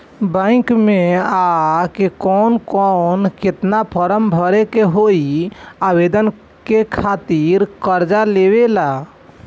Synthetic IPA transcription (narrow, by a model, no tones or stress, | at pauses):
bə̃ɪ̃kmeakekɔnkɔnket̪napʰəɾəmbʱəɾekeɦoiaβed̪ən | kekʰat̪iɾkəɾd͡ʒaleβela